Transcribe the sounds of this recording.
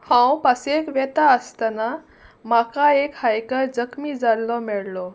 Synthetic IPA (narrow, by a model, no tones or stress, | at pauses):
hãw̃pasekʋɛt̪aəst̪ana | makaekhajkəɾd͡zəkmid͡zallɔmɛɭlɔ